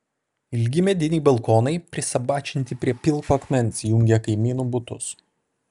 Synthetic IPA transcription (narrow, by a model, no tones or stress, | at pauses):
ɪlʲɡʲɪmʲɛd̪ʲɪnʲiːbɐlˠkoːnɐɪpʲɾʲɪsɐbɑːt͡ʃʲɪnʲt̪ʲɪpʲɾʲiɛpʲɪlˠkɐkmʲɛnʲsʲjʊŋʲɡʲɛkɐɪmʲiːnuːbʊt̪ʊ̰s